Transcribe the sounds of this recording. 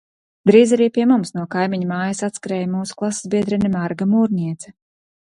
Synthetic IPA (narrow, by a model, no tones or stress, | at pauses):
d̪ɾiːzaɾiːpiɛmumsnuɔkajmiɲamaːjasat̪skaɾɛːjmuːsu̥klˠaszbiɛd̪ɾɛnimaɾɡamuːɾnʲiɛt̪sɛ̥